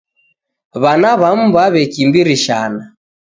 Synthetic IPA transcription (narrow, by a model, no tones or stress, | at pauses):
βanaβam̩baβɛkimbiɾiʃana